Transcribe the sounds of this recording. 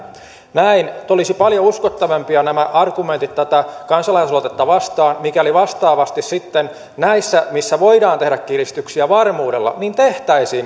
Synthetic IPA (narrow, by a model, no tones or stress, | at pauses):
næint̪olisipɑljouskot̪ːɑʋempiɑnæmæʔɑrɡument̪it̪t̪ːæt̪ækɑnsɑlɑislot̪et̪ːɑʋɑst̪ɑːnmikæliʋɑst̪ɑːʋɑst̪issit̪ːen | næisːæmisːæʋo̞idɑːnt̪ehdækkirist̪yksiæʋɑrmuːdelːɑ̰niːnt̪e̞ht̪æisiːn